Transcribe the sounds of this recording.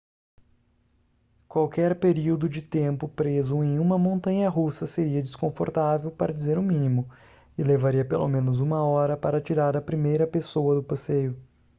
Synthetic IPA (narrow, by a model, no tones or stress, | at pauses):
kwawkɛɾpeɾiwd̪ʊd͡ʒɪt̪ẽmpʊpɾezʊẽj̃ũmɐmõnt̪ɐ̃ɲɐɦusɐseɾiɐd͡ʒɪskõfoɾt̪avewpaɾɐd͡ʒizeɾʊ̃mĩnimʊ | ɪlevaɾiɐpelʔo̰mẽnʊzũmɐɔɾɐpaɾɐt͡ʃiɾaɾɐpɾimejɾɐpesowɐd̪ʊpasejʊ